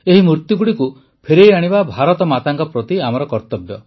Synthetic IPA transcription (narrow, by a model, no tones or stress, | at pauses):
eɦimuɾt̪juɡuɽiku | pʰeɾejaɽ̃ibabʱaɾɔt̪ɔmat̪aŋkɔpɾɔt̪iamɔɾɔkɔɾt̪ɔbjɔ